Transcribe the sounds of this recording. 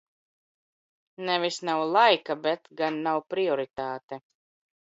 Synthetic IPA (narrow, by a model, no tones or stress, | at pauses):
nɛvisnawlˠajkabɛt̪ɡanːawpɾiɔɾit̪aːt̪ɛ